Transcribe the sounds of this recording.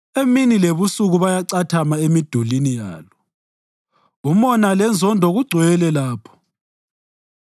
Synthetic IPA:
eminileβusuɣuβajaǀatʰamaemid̥ʱulinija̰ːlɔ | umɔnalɛnd͡zʱɔndʱɔɣuɡ͡ǀʱwɛlɛlaːpʰɔ̥

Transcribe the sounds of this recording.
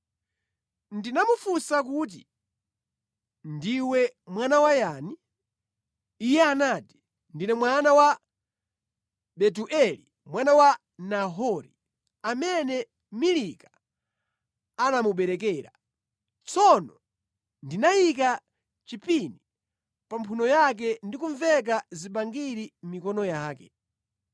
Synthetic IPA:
ndinamufusak̬ut̬ḭ | ndiwɛmwanawajani | jɛanaːti̥ | ndinɛmwanawa | ɓɛt̬uʔɛli | mwanawa | naɦɔɾḭ | amɛnɛ | milika | anamuɓɛɾɛk̬ɛːɾa̰ | t͡sɔnɔ | ndinajika | t͡ʃipini | pampʰunɔjak̬ɛndikuɱvɛk̬aziɓaŋɡiɾim̩mikɔnɔjaːkɛ

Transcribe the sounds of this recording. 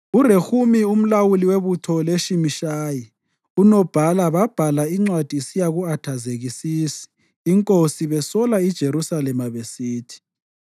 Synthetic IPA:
urexumium̩lawuliweβutʰɔleʃimiʃaːji | unɔb̥ʱalaβab̥ʱalaiŋ͡ǀwad̥ʱisijaɣuatʰazeɣisiːsi̥ː | ŋkʼosiβɛsɔlaid̥ʒ̥ʱeɾusalɛmaβesiːtʰi̥

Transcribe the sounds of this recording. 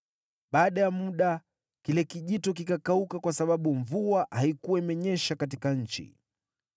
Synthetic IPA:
ɓaːɗajamuɗa | kilɛkiʄitɔk̬ikakaukakwasaɓaɓuɱvuahaikuwamɛɲɛʃakat̬ikaɲ̩t͡ʃḭ

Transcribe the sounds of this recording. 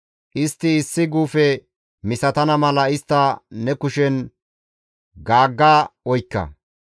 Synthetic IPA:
ʔɪst̪ːɪːsːɪɡuːfɛ | mɪsɐt̪ɐnɐmɐlɐɪst̪ːɐnɛkʊʃɛn | ɡaːɡːaːɔjkːɐ̰

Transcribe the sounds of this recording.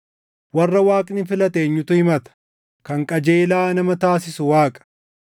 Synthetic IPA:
wɐrːɐwaːkʼnɪfɪlɐt̪e̞ːɲːʊt̪ʊhɪmɐt̪ɐ̥ | kɐŋkʼɐd͡ʒeːlaːnɐmɐt̪aːsɪsʊwaːkʼɐ̥

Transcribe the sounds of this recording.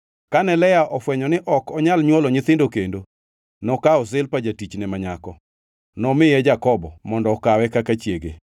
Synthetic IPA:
kanɛlɛjaʔɔfwɛɲɔnɪʔɔkɔɲalɲwɔlɔɲɪt̪ɪndokendo | nɔkaɔsɪlpad͡ʒatit͡ʃnɛmaɲakɔ | nɔmɪjɛd͡ʒakɔbɔmɔndɔːkawɛkakat͡ʃjeɡḛ

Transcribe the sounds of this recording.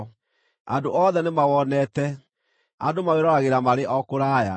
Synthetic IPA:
a̰ndoʔɔðɛnemawɔnɛtɛ | andomaweɾɔɾaɣeɾamaɾeʔɔkoɾaːja

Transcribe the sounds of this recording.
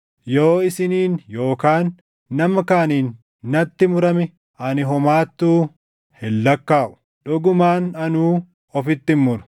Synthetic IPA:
jo̞ːɪsɪniːnjo̞ːkaːnː | ɐmɐkaːniːnː | ɐt̪ːɪmʊɾɐmɛ | ʔɐnɪɦɔmaːt̪ːuː | hɛlːɐkːaːʔʊ̥ | ᶑɔɡʊmaːnɐnuː | ɔfɪt̪ːɪmmʊɾʊ̥

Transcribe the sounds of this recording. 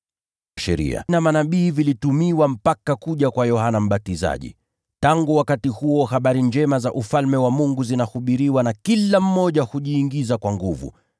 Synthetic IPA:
ʃɛɾḭa̰namanaɓiːvilitumiwam̩pakakuʄakwajɔhanam̩ɓatiza̰ʄḭ | taŋɡuwakatihuɔhaɓaɾiɲd͡ʒɛmazaʔufalmɛwamuŋɡuzinahuɓiɾiwanakilam̩mɔʄahuʄiːŋɡizakwaŋɡuvṵ

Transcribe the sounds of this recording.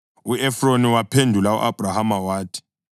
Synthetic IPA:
uɛfroniwapʰendʱulaṵʔa̰b̥ʱrahamawaːtʰi̥

